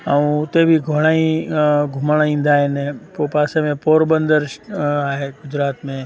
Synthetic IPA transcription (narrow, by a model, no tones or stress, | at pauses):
ɦəũt̪ebʱiɡʱoɽ̃aːĩɡʱʊmaɽaĩnd̪aːenepopaːsemẽpoːɾbə̃nd̪əɾʃaːɦeɡʊd͡ʒɾaːt̪mẽ